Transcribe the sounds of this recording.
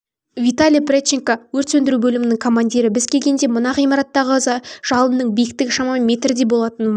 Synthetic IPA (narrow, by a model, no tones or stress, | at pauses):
vit̪alʲijprʲet͡ʃɪŋkawɵɾt̪sɵnd̪ɪɾubɵlɪmɪnɪŋkʰo̞manʲd̪ʲiɾɪbɪzkʲʰe̞lʲɡʲe̞nd̪e̞mʊnɑqijmɑɾɑt̪ːɑʁəʒ̥ɑlˠənnəɴbijɪk̚t̪ɪkʃɑmɑmʲe̞t̪ɾɪd̪e̞bo̞lˠɑt̪ənm